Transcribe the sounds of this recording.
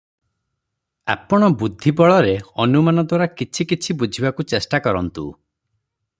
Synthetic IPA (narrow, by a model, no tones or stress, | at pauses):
a̰pɔɽ̃ɔbud̪ʱːibɔɭɔɾeɔnumanɔd̪waɾakit͡ʃʰikit͡ʃʰibud͡ʒʱibakut͡ʃesʈakɔɾɔnt̪ṵ